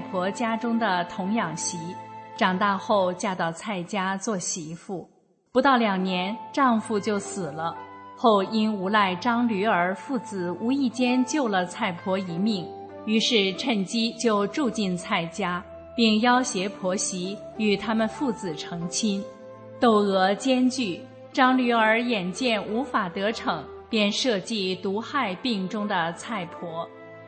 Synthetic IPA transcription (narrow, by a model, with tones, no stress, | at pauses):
pʰwɔ˧˥t͡ɕja˥ʈ͡ʂʊ˥ŋd̪ə˨t̪ʰʊ˧˥ŋjɑ˨˩ŋɕi˧˥ʈ͡ʂɑ˨˩ŋt̪a˥˧xo˥˧ʊt͡ɕja˥˧t̪ɑ˥˧ʊt͡sʰa˥˩ɪt͡ɕja˥t͡swɔ˥˩ɕi˧˥fu˥˩ | pu˧˥t̪ɑ˥˩ʊljɑ˨˩ŋnjɛ˧˥nʈ͡ʂɑ˥˧ŋfu˥˧t͡ɕjo˥˩ʊsɹ̩˨˩lə˦xo˥˩ʊi˥nu˧˥la˥˩ɪʈ͡ʂɑ˥ŋly˧˥ə˞˧˥fu˥˩t͡sɹ̩˨˩u˧˥i˥˩t͡ɕjɛ˥nt͡ɕjo˥˩ʊlə˩t͡sʰa˥˩ɪpʰwɔ˧˥i˧˥mi˥˩ŋ | y˧˥ʂɻ̩˥˧ʈ͡ʂʰə˥˩nt͡ɕi˥t͡ɕjo˥˧ʊʈ͡ʂu˥˧t͡ɕi˥˧nt͡sʰa˥˩ɪt͡ɕja˥ | pi˥˩ŋjɑ˥ʊɕjɛ˧˥pʰwɔ˧˥ɕi˧˥ | y˨˩t̪ʰa˥mə˨nfu˥˩t͡sɹ̩˨˩ʈ͡ʂʰɤ˧˥ŋt͡ɕʰi˥n | t̪o˥˩ʊɤ˧˥t͡ɕjɛ˥nt͡ɕy˥˩ | ʈ͡ʂɑ˥ŋly˧˥ə˞˧˥jɛ˨˩nt͡ɕjɛ˥˩nu˧˥fa˨˩t̪ɤ˧˥ʈ͡ʂʰɤ˨˩˥ŋ | pjɛ˥˧nʂɤ˥˧t͡ɕi˥˩t̪u˧˥xa˥˧ɪpi˥˩ŋʈ͡ʂʊ˥ŋd̪ə˨t͡sʰa˥˩ɪpʰwɔ˧˥